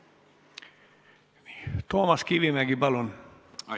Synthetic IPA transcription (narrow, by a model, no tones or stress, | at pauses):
ni̥t̪oːmɑskiʋimæɡibɑlon